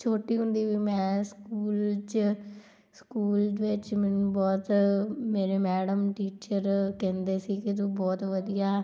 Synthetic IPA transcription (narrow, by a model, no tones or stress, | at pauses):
t͡ʃʰoːʈiːɦʊ̃nd̪iːʋiːmɛ̃ːskuːlt͡ʃ | skuːlʋɪt͡ʃmɪnbɔːt̪meːɾeːmɛːɖəmʈiːt͡ʃəɾkɛ̃ːnd̪eːsiːkɪt̪̬õbɔːt̪ʋəd̪ijaː